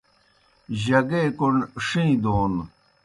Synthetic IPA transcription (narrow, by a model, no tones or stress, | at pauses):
ʑɐɡekonʂĩd̪oːn